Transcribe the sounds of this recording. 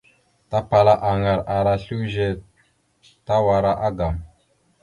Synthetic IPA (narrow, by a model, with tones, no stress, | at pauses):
ta˦pa˨la˦ʔa˨ŋa˨ɾa˨ɾa˦ɬu˦ʒe˦ | ta˦wa˨ɾa˦ʔa˦ɡa˨m